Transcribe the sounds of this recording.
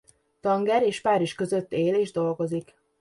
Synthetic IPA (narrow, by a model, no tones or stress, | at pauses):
t̪ɒŋɡɛɾeːʃpaːɾiʃkø̞zøt̪ːeːleːʒd̪o̞lɡo̞zik